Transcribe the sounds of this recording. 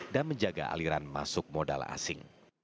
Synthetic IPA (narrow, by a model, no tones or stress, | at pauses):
danməɲd͡ʒaɡa̰ʔa̰liɾanma̰sʊk̚moda̰la̰sɪŋ